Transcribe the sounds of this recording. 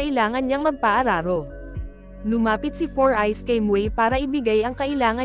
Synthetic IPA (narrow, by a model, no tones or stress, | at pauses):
ɐʔɪlaːŋɐnɲɐŋmɐɡ̚pɐʔɐɾaːɾo̞ | lʊmaːpɪt̪̚sifoɹʔajskɐjmwɛjpaːɾɐʔɪbɪɡajʔɐŋkɐʔɪlaːŋɐ